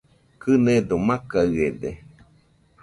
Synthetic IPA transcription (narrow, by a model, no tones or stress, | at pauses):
kɨned̪omãkaɯed̪e